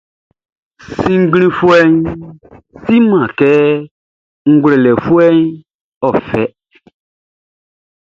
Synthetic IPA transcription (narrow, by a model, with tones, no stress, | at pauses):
sĩ˦ŋ̩˦ɡɾ̃ĩ˦fu˦ɛ˦ɲ | si˦mã˨kɛː˦ | ŋ̩˦ɡʷle˨lɛ˨fu˦ɛ˦ɲ | ɔ˨fɛ˦